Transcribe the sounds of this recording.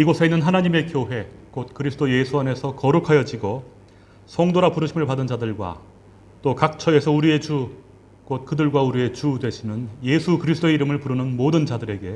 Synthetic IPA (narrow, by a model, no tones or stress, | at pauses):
iɡosʰeinːɯnɦanaɲime̞kjoɦe̞kot̚kɯɾisʰɯ̥doje̞sʰuane̞sʰʌkʌɾukʰajʌd͡ʑiɡo | sʰʌŋdoɾapuɾɯɕʰimɯɭpadɯnd͡ʑadɯɭɡwa̰ | t͈okak̚t͡ɕʰʌe̞sʰʌuɾie̞t͡ɕu | kot̚kɯdɯɭɡwauɾie̞t͡ɕudwe̞ɕʰimjɯnje̞sʰukɯɾisʰɯt͈oe̞iɾɯmɯɭpuɾɯnɯnmodɯnt͡ɕadɯɾe̞ɡe̞